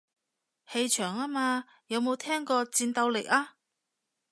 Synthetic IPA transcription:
he˧jt͡ʃʰœː˨˩ŋaː˥maː˧ | jɐ˨˧wmo˨˧wt̪ʰɛː˥ŋkɔː˧t͡siː˧nt̪ɐ˧wlḛ˨˩k̚aː˥

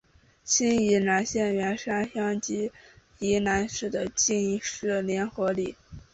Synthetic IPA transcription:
ɕi˥ni˧˥na˧˥nɕjɛ˥˩nɥɛ˧˥nʂa˥nɕjɑ˥ŋt͡ɕi˧˥ | i˧˥na˧˥nʂɻ̩˥˩d̪ə˨˦t͡ɕi˥˧ni˥˩ʂɻ̩˥˩ljɛ˧˥nxɤ˧˥li˥˩˦

